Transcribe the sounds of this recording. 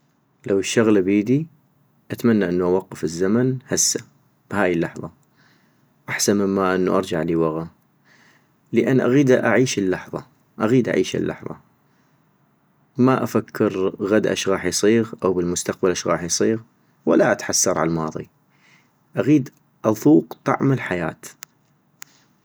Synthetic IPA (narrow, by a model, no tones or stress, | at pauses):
lawʃːaɣlbiːd̪i | ʔat̪manːaʔɪnːuʔawɑqːɨfɪzːamanhasːa | b̥haːjəlːɑħðˤɑ | ʔaħsanmɪmːaʔɪnːṵʔɑɾˤd͡ʒaʕliːwaɣa | ləʔanːʔaɣiːd̪aʔaʕiːʃəlːɑħðˤɑ̰ | ʔaɣiːd̪ʔa̰ʕiːʃə̰lːɑ̰ħðˤɑ̰ | maʔafakʰːɪɾɣad̪ʔa̰ʃɣɑːħjsˤiːɣʔawbəlmʊst̪aq̚balʔaʃɣɑːħjsˤiːɣ | wa̰lːaʔat̪ħasːɑɾˤʕa̰lmɑ̰ːðˤḭ | ʔaɣiːd̪ | ʔɑðˤuːqt̪ˤɑ̰ʕmalħaja̰ːt̪